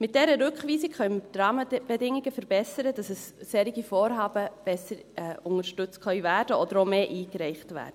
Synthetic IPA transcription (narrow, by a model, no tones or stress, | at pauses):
mɪt̚d̥ɛɾəɾʉkχʋiːsikχœʏməd̥ɾɑːməb̥ɛdɪŋiɡəfəɾbɛsəɾəd̥ɑsɛssɛːɾiɡifɔːɾɦɑːbəb̥ɛsəɾɛʊŋəɾʃtʉt͡stkχœʏvæːɾdəʔɔd̪əɾomeːʔiːkɾɛɪχtvæ̰ːɾdə